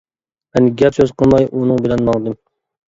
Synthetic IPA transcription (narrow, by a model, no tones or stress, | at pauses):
ɛnɪɡʲɛpsøzqʰəlˠmɑjʔunɨŋbɪlɛnmɑŋd̪ɨm